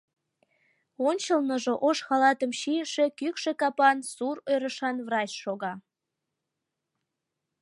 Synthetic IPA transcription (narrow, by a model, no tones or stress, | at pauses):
onʲt͡ɕəlnəʒoʔoʃxɑlɑt̪əmʃijəʃekykʃekɑpɑnsurojɾəʃɑnvrɑt͡ɕʃoɣɑ